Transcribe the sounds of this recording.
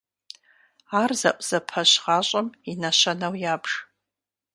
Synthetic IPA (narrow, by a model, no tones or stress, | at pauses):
arza̰ʔʷʼz̥apʰaʃʁaɕʷʼaminaʃʷanawjabʐ